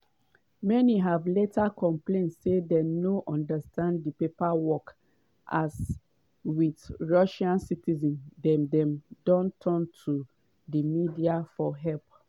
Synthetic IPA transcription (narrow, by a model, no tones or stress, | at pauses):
mɛniɦavletʰakʰɔ̃mplẽntsedɛnoʔɔ̃ndastʰãnddipepawɔk | ʔas | witɹɔʃãnsitizɔ̃ndɛ̃mdɛ̃mdɔ̃ntʰɔntʰu | dimidiafɔɦɛlp̚